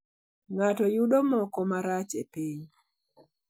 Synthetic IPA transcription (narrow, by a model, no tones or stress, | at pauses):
ŋatɔjuɗɔmɔkɔmaɾat͡ʃepeɲ